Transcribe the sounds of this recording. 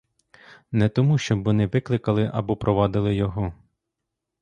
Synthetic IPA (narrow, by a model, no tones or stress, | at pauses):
nɛt̪ɔmuʃt͡ʃɔbʋɔnɪʋɪklˠɪkɐlˠɪʔɐ̰bɔpɾʔɔʋɑd̪ɪlˠɪjɔɦɔ